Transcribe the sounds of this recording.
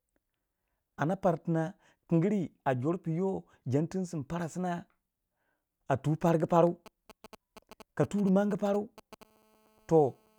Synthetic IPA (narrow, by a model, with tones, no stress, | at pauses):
a˨na˦pa˨ɾti˨na˦ | ki˨ŋɡi˦ɾi˦a˨d͡ʒo˨˦ɾpi˨jo˦ | d͡ʒa˨˦nti˦n˦si˨mpa˦ɾa˨si˦na˦ | a˨tu˨˦pa˦ɾɡi˦pa˦ɾu˦ | ka˨tu˦ɾi˨ma˦ŋɡi˦pa˦ɾu˦ | to˨